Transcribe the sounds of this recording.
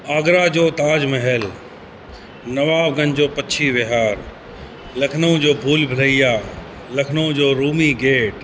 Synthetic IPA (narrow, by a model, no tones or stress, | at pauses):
aːɡɾad͡ʑoːt̪aːd͡ʒmɐɦɛl | nɐʋaːbɡɐnd͡ʑoːpɐtːʃʰiʋeɦaːɾ | lɐkʰnõd͡ʑoːbʱuːlbʱələija | lɐkʰnõd͡ʑoːɾuːmiɡeːʈ